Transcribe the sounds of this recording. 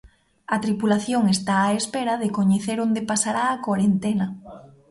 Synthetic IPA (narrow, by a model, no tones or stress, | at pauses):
ɐt̪ɾipulaθjoŋest̪aːespeɾaðekoɲeθeɾond̪epasaɾaːkwaɾent̪ena